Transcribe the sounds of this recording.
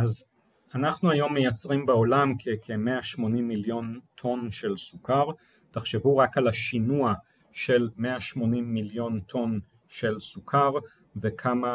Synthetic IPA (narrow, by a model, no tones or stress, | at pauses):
ʔaz | anaχnuajo̞mːejat͡sʁimbeo̞lamkʰekʰemeaʃmo̞nimːiljo̞ntʰo̞nʃe̞lsukʰaʁ | taχʃevuʁakalaʃinua | ʃelmeaʃmo̞nimːiljo̞ntʰo̞n | ʃe̞lsukʰaʁ | ve̞kʰama